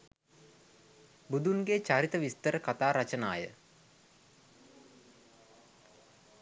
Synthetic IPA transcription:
bud̪unɡet͡ʃaɾit̪əʋist̪əɾəkat̪aːɾat͡ʃənaːjə

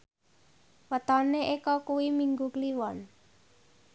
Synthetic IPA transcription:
wət̪ɔneʔekɔkuwimiŋɡukliwɔn

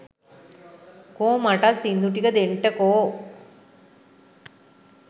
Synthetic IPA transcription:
koːmaʈːalsind̪uʈːikɐd̪eɳʈɐkoː

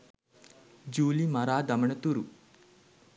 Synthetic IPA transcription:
d͡ʑuːlimaɾaːd̪ɐməɳət̪uɾu

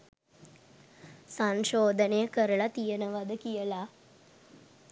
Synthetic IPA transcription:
saŋʃoːd̪ənejəkəɾəlat̪ijənəʋad̪əkijəla

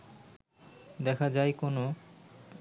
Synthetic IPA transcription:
d̪ɛkʰad͡ʑajkono

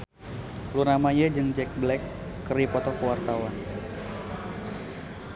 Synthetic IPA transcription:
lunamajəd͡ʒɨŋd͡ʒɛk̚blɛkː | əripɔt̪ɔkəwart̪awan

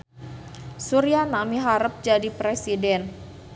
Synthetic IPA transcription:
suɾianamiɦaɾəp̚d͡ʒadipɾesidɛn

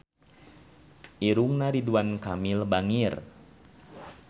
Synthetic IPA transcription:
ʔiɾuŋnaɾiduankamilbaŋir

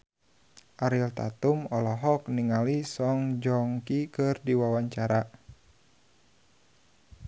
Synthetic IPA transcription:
ʔaɾilt̪a̰t̪umɔlɔɦɔkniŋalisɔŋd͡ʒɔŋkikɨrdiwawaɲt͡ʃaɾa

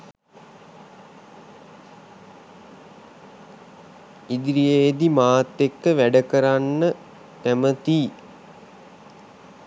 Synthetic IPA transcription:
id̪ɾijejd̪imaːt̪ːekːəʋæɖəkəɾanːə | t̪æmət̪iː

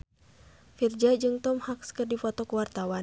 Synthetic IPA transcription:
fird͡ʒad͡ʒɨŋt̪ɔmhakskɨrdifɔt̪ɔkuwart̪awa

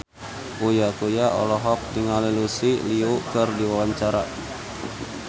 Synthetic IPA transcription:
ʔujakujaʔɔ̰lɔɦɔk̚diŋalilusiliukɨrdiwawaɲt͡ʃaɾa

